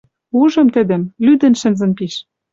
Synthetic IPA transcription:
uʒɤ̆mt̪ɘ̆d̪ɘ̆mlyd̪ɘ̆nʃɘ̆nzɘ̆npiʃ

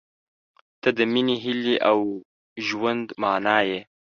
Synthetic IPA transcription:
t̪ad̪əminiɦɪliʔaw | ʒwand̪mɑːnɑːje

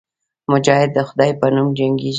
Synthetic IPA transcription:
mʊd͡ʒɑhɪd̪ːəxʊd̪ɑjpənumd͡ʒaŋɡid͡ʒ

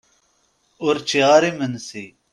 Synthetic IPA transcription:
uɾt͡ɕiaːɾimənsi

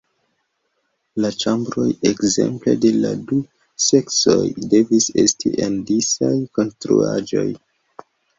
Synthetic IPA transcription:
lat͡ʃambɾo̞jekze̞̰mple̞de̞ladu | se̞kso̞jde̞vise̞stiʔendisajko̞nstɾṵad͡ʒo̞̰j

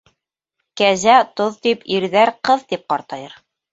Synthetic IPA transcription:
kæzæt̪oðt̪ipiɾðæɾqɤðt̪ip̚qɑɾt̪ɑjɤɾ

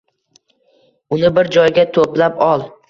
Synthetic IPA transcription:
ʊnɪbɪɾd͡ʒɒjɡʲat̪ʰoplapɒlˠ

